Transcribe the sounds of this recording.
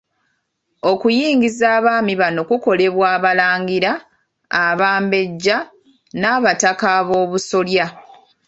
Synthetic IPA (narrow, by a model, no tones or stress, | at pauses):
o̞kujiːŋɡizaːβaːmiβano̞kuko̞le̞βwaːβalaːŋɡiɾaː | βaːmbe̞ɟːa | naːβatakaβo̞ːβuso̞lja